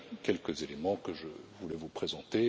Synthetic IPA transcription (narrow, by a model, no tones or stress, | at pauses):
kʲɛlkəzelemɑ̃kəʒəvulɛvupχezɑ̃t̪e